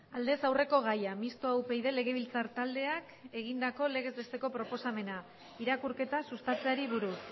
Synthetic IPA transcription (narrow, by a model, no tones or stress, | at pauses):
ald̪e̞sawre̞ko̞ɣ̞ajamist̪oawpe̞jðe̞le̞ɣ̞e̞βilt͡saɾt̪ald̪e̞ak | e̞ɣ̞ind̪ako̞le̞ɣ̞e̞zðe̞st̪e̞ko̞pɾo̞po̞same̞na | iɾakuɾke̞t̪asust̪at͡se̞aɾiβuɾus